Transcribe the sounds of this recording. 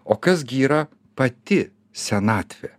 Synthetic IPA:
oːkɐs̬ɡʲiːɾɐ | pɐt̪ʲɪ | sʲɛnɑːt̪ʲʋʲɛ

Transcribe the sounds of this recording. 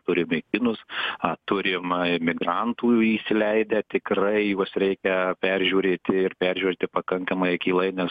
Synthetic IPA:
t̪ʊɾʲɪmɛɪkʲɪnʊsɐt̪ʊɾʲɪmmʲɪɡrɐnt̪uːisʲɪlʲɛɪd̪ʲɛt̪ʲɪkrɐɪjuɔsɾʲɛɪkʲɛpʲɛrʲʒʲuːɾʲeːt̪ʲɪɪrpʲɛɾʲʒʲuːɾʲeːt̪ʲɪpɐkɐŋkɐmɐɪkʲiːlˠɐɪnʲɛs

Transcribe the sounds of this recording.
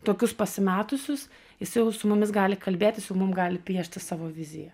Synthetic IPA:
t̪oːkʲʊspɐsʲɪmʲæːt̪ʊsʲʊs | jɪsɐjɛʊsʊmʊmʲɪsɡɑːlʲɪkɐlʲbʲeːt̪ʲɪsjɛʊmʊmɡɑːlʲɪpʲiɛʃʲt̪ʲɪsɑːʋoːʋʲɪzʲɪjɛ

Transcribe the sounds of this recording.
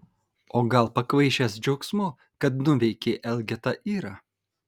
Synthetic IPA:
oːɡɐlˠpɐkʋɐɪʃʲɛsd͡ʒʲɐʊksmo | kɐt̪̚nʊʋʲɛɪkʲeːʔɛlʲɡʲɛt̪ɐʔiːɾɐ

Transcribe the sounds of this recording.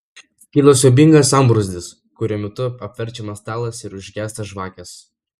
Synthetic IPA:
kʲiːlˠosʲoːbʲɪŋɡɐsɐmbɾʊzʲd̪ʲɪs | kʊɾʲuɔmʲɛt̪ʊɐpʲʋʲɛɾʲt͡ʃʲɛmɐst̪ɑːlˠɐsɪɾʊʒʲɡʲæːst̪ɐʒʋɑːkʲɛs

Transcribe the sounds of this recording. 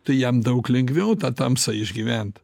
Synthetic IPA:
t̪ɐɪjɛmd̪ɐʊklʲɛŋɡʋʲɛʊt̪ɐt̪ɐmsɐɪʒʲɡʲiʋʲɛnt̪

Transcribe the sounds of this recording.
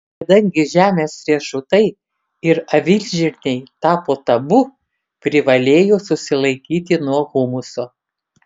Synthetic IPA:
kɐd̪ɐŋʲɡʲɪʒʲæːmʲeːsɾʲiɛʃʊt̪ɐɪ | ɪɾɐʋʲɪlʲʒʲɪɾʲnʲɛɪt̪ɑːpoːt̪ɐbʊ | pʲɾʲɪʋɐlʲeːjoːsʊsʲɪlˠɐɪkʲiːt̪ʲɪnuɔɣʊmʊsoː

